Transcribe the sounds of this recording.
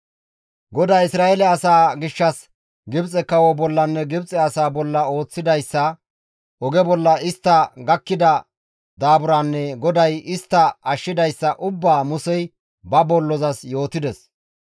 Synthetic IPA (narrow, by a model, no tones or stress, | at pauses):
ɡɔd̪ɐjɪsɾaːɛlɛɐsaːɡɪʃːɐs | ɡɪbt͡sʼɛkɐwɔbɔlːɐnːɛɡɪbt͡sʼɛɐsaːbɔlːɐo̞ːt͡sːɪd̪ɐjsːɐ | ʔɔɡɛbɔlːɐɪst̪ːɐɡɐkːɪd̪ɐ | d̪aːbʊɾanːɛɡɔd̪ɐjɪst̪ːɐɐʃːɪd̪ɐjsːɐʔʊbːaːmʊsɛj | bɐbɔlːɔzɐsjo̞ːt̪ɪd̪ɛs